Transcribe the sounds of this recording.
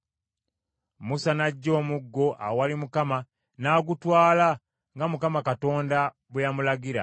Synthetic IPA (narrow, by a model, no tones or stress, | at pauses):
musanaɟːo̞ːmuɡːo̞ʔa̰walimukama | naːɡutwaːla | ŋɡamukamakato̞ːnda | βujamulaɡiɾa̰